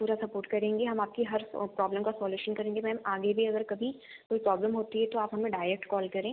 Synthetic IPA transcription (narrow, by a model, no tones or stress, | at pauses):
puːɾasɐpoːɾʈkɐɾẽːŋɡeɦɐmaːp̚kiɦɐɾpɾɔːbləmkasɔːljuːʃənkɐɾẽːŋɡemɛ̃ɦɐmaːɡebʱiɐɡəɾkɐbʱi | koːipɾɔːbləmɦoːt̪iɦɛt̪oaːpɦɐmẽɖaːɪɾɛk̚ʈkɔːlkɐɾẽː